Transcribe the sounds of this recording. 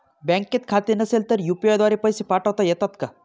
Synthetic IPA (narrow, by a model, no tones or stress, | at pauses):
bɛ̃ŋkːet̪kʰat̪inəselt̪əɾjupiɔjd̪waɾipəjsipaʈəwt̪ajet̪at̪ka